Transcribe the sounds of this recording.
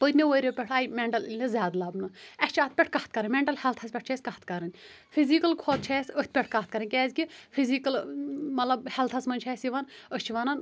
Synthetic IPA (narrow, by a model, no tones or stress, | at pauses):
pət̪ʲmʲewoɾʲopʲɛʈʰɐːjmeɳʈɐlilʲizʲjaːd̪lɐbnɨɛsʲt͡ʃʰɐːt̪̚pʲɛʈʰkɐt̪̚kɐɾɐnmeɳʈɐlhɛlt̪ʰɐspʲɛʈ̚ʰt͡ʃʰɛsʲkɐht̪kɐɾɐnʲ | fʰizikɐlkʰoːt̪̚t͡ʃʰɛːsʲəht̪̚ʰʲpʲɛʈʰkɐt̪̚kɐɾɐnʲkʲɛːzʲkifʰiziːkɐlmɐt̪lɐbhɛlt̪ʰɐsmɐnʲt͡ʃʰɛːsiʋɐnəst͡ʃʰiʋɐnɐn